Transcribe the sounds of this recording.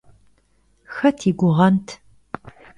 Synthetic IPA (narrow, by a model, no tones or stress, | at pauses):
xɐtʰiːɡʷʊʁɐntʰ